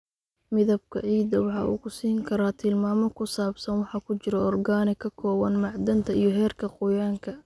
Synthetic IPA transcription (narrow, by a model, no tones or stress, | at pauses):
mɪðɐb̚kʰɐʕiːd̪ɐwɑħɑ̰ʔṵːkʊsiːŋkʰɐɾaːt̪ʰɪlmaːmɔkʰʊsaːbsɐnwɑħɑːkʰʊt͡ʃɪɾɔɔrɡaːnɪkʰɐkʰɔːwɐnmɑʕd̪ɐnt̪ʰɐijɔɦɛːrkʰɐqʊjaːŋkʰɐ